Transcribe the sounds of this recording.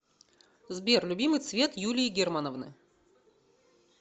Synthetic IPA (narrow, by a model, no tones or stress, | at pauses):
zbʲerlʲʊbʲimɨjt̪svʲet̪julʲɪjɪɡʲermanəvnɨ̰